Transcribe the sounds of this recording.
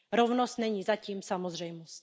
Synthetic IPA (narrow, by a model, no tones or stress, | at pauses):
ɾovnost̪nɛɲiːzaciːmsamozr̝ɛjmost